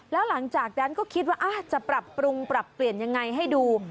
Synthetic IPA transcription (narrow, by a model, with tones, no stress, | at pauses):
lɛː˦˥wla˩˦ŋt͡ɕaː˨˩k̚na˦˥nkɔː˥˩kʰi˦t̪̚waː˥˩ʔa˧˩t͡ɕa˨˩pɾa˨˩pːɾu˧ŋpɾa˨˩pːli˨˩ənja˧ŋːa˧jɦa˥˩jduː˧